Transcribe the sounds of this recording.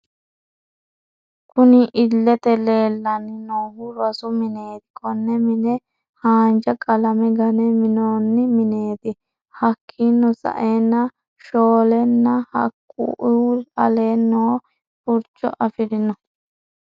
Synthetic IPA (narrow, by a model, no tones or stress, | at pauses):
kʰʊnɪʔɪlːɛt̪ɛle̞ːlːɐnɪnoːhʊɾɐsʊmɪne̞ːt̪ɪ̥kʰɔnːɛmɪnɛ | haːnd͡ʒɐkʼɐlɐmɛɡɐnɛmɪnoːnːɪmɪne̞ːt̪ɪ | hɐkʰːinːɔsɐ̰ʔenːɐ | ʃoːlɛnːɐhɐ̰kʼːṵʔɐle̞ːnːoː | pʊɾt͡ʃːɔ̰ʔɐfɪɾɪnɔ